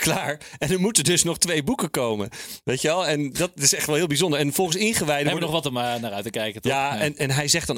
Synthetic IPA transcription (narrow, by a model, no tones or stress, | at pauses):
klaːɹɛnəɹmutədɵsnɔχtʋejbukəkowmə̰ʋejtəʋɛlˠɛndɑtɪsɛχtʋɛlˠɦɪːlˠbizondəɹɛnvɔlˠχənsɪnχəʋɛjdəɛənɔχʋɑtɔmnaɾœɥtəkɛjkətaɛnɛnɦɛjzɛχd̥ɑn